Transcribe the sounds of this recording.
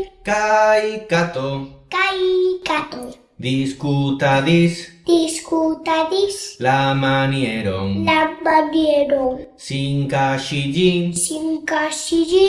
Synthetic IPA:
kajkat̪okajkat̪o | d̪iskut̪aðisd̪̥iskut̪adislamanjeɾo̰ŋlababjeɾoŋ | siŋkaʃiʎisiŋkaʃiʎi

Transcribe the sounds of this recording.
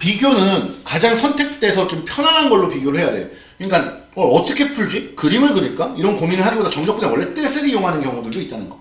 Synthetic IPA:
piɡjonɯnkad͡ʑaŋsʰʌntʰe̞k̚t͈e̞sʰʌt͡ɕompʰjʌnanɦanɡʌɭːopiɡjoɾɯɭhe̞jade̞̰jo̰ | ik͈an | wʌʌt͈ʌkʰe̞pʰuɭd͡ʑikɯɾimɯɭkɯɾiɭk͈aiɾʌnkominɯɭɦaɡibodat͡ɕʌŋd͡ʑʌkp͈unewʌɭːe̞t͈esʰeɾijoŋɦanɯnkjʌŋudɯɭdoit͈anɯnɡʌ

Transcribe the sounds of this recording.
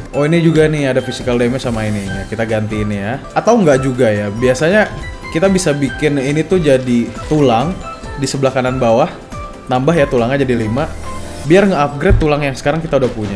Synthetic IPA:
ʔoinid͡ʒuɡaniadafisikaldemasamainiɲakit̪aɡant̪iːnija | at̪awŋɡaʔd͡ʒuɡajabiasaɲa | kit̪abisabikɪninit̪ud͡ʒadit̪ulaŋ | disəblahkananbawah | nambaɦjat̪ulaŋad͡ʒadilima | biarŋəap̚ɡɾɛt̪ːulaŋjaŋsə̥kaɾaŋkit̪audahpuɲa

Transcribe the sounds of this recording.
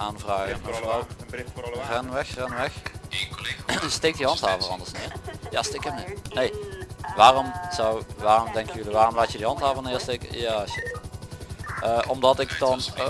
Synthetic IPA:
ʔaːnvraːɣəməvrɔw | rɛnʋɛxrɛnʋɛx | stek̚diɦɑntɦaːvərɑ̰ndəɹsnɪːrja̰ːstekəmnɪnejʋaːrɔmz̥ɔwʋaːrɔmdɛŋkəjəjəliʋaːrɔmlaːtədiɦɑntɦaːvərnɪːɹsteːkə̰jaːʃɪ̰t | əːʔɔmdɑtɪkdɑn

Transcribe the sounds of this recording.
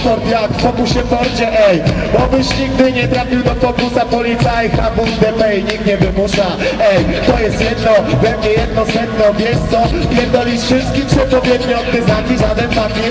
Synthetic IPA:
pɔɾp̪jakfpɔkuɕɛpɔɾt͡ɕɛʔɛjbɔbɘɕɲiɡd̪ɪɲɛt̪ɾafʲiwd̪ɔkɔkusapɔlʲit̪saɛxabuɾɡd̪ɛpɛɲikt̪ɲɛvɘmuʂa | ɛjt̪ɔjɛst̪jɛd̪nɔvɛmɲɛjɛd̪nɔsɛt̪nɔmʲjɛst̪sɔpʲjɛɾd̪ɔlʲisfʂɪst̪kʲitʂɛpɔvʲjɛd̪ɲiɔd̪t̪ɛznakʲiʐad̪ɛnfakʲi

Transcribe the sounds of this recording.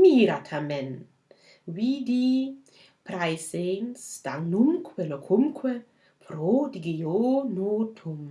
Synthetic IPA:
miɾat̪ʰamɛn | widi | pɾajsensd̥̪aŋnumkʰwelokʰumkʰwe | pʰɾodiɡejonotʰum

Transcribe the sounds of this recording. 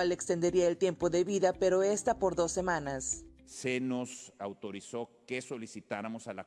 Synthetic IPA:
alekst̪e̞nd̪e̞ɾiaelt̪je̞mpo̞ðe̞βiðape̞ɾo̞e̞st̪apo̞ɾðo̞sːe̞manassenosawt̪o̞ɾiso̞keso̞lisit̪aɾamo̞sala

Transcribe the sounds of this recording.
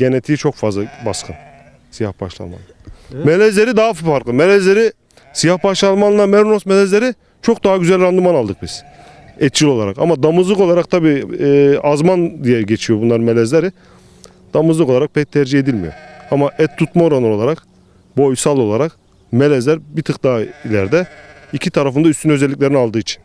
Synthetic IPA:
ɟenet̪ʰijit͡ʃʰo̞kfazlˠabaskʰɯn | sijahbaʃlˠa̰nma̰nːˠamelʲɛzlʲe̞ɾid̪aɦaffaɾklˠɯmelʲɛzlʲe̞ɾi | sijahbaʃlˠanˠmanˠamɛɾunosmelʲɛzlʲe̞ɾi | t͡ʃʰo̞k̚d̪aɦaɟyzælʲɾand̪ɯmanalˠd̪ɯk̚biz̥ | ɛt̪̚t͡ʃʰilʲo̞lˠaɾa̰ka̰mad̪amɯzlˠɯko̞lˠaɾak̚t̪ʰabiː | azmand̪ijɛɾɟet͡ʃʰijobunlˠaɾɯnmelʲɛzlʲeɾi | d̪̥amɯzlˠɯko̞lˠaɾak̚pʰɛc̚t̪ʰɛɾd͡ʒihe̞d̪ilʲmijo̞̰ɾamaʔɛt̪ʰːut̪maoɾanɯɾo̞lˠaɾak | bo̞jsalˠo̞lˠaɾak | melʲɛzlʲæɾbit̪ʰɯk̚d̪aːilʲæ̰ɾd̪ɛicʰit̪ʰaɾafɯnd̪ayst̪ʰynø̞zɛlʲːic̬ʲlʲe̞ɾinalˠd̪ɯːit͡ʃʰi̥n

